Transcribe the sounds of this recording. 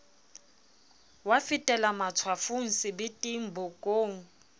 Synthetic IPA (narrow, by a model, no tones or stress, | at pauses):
wafɪtʼɛlamat͡sʰwafuŋ̩sɪbɪtʼiŋ̩bʊkʼoːŋ̩